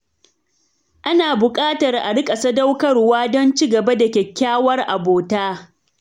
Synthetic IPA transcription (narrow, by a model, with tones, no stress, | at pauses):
ʔa˦naː˨bʊ˨kʼaː˦tɐ˨rʔa˨ɽɪ˦kʼɐ˨sɐ˦da˦wkɐ˦rwaː˦dɔ˦nt͡ʃi˦ɡɐ˨ba˦da˨kʲɛ˨kʲːaː˦wɐ˦rʔa˨boː˨taː˦